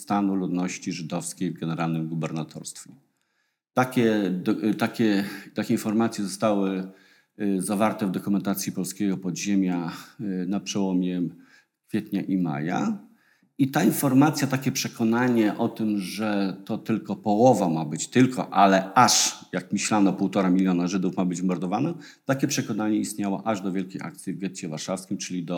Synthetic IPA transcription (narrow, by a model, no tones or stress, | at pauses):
st̪anulud̪nɔɕt͡ɕiʐɘd̪ɔfskʲejvɡɛnɛɾalnɘmɡubɛɾnat̪ʰɔ̰ɾst̪fʲɛ | t̪akʲɛt̪akʲɛt̪akʲɛinfɔɾmat̪sʲjɛzɔst̪awɘ | zavaɾt̪ɛvd̪ɔkumɛnt̪at̪sʲjipɔlskʲɛɡɔpɔd̪ʑemʲjanapʂɛwɔmʲjɛ | kfʲjɛt̪ɲaʔima̰ja̰ | it̪ainfɔɾmat̪sʲjat̪akʲɛpʂɛkɔnaɲɛʔɔt̪ɘmʐɛt̪ɔt̪ɘlkɔpɔwɔvamabɘt͡ɕt̪ɘlkʰɔ̰ʔalɛaʂjakmʲiɕlanɔpuwt̪ɔɾamʲilʲjɔnaʐɘd̪ufmabɘd͡ʑmɔɾd̪ɔvanɔt̪akʲɛpʂɛkɔnaɲɛist̪ɲawɔ̰ʔaʐd̪ɔvʲjɛlkʲejʔa̰k̚t̪sʲjivɡʲjɛt̪t͡ɕɛvaɾʂafskʲimt͡ʂɘlʲid̪ɔ